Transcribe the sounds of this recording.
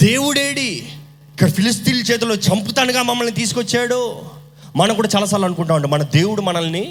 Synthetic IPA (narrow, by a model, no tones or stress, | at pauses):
d̪e̞ːwuɽeːɽi | ikːɐɽɐpʰilist̪iːlt͡ʃɛːt̪̬uloːt͡ʃɐmput̪aːnuɡaːmɐmːɐlnit̪iːs̬ukot͡ʃːaːɽu | mɐnɐmkuːɽaːt͡ʃaːlɐsaːɾlɐnukuɳʈaːuɐɳʈɐmɐnɐd̪e̞ːwuɽumɐnɐlni